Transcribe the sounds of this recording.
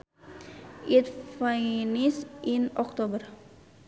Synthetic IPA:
ʔit̪fajnisʔinɔk̚t̪obər

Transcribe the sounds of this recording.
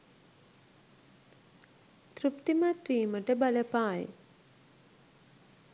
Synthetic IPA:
t̪ɾupt̪imat̪ʋiːməʈəbaləpaːj̰

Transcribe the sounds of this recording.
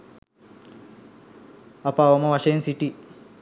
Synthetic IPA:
apaːʋomɐʋaʃɐjensiʈi

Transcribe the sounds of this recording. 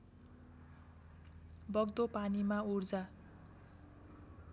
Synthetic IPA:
bʌɡd̪opanimaurd͡za

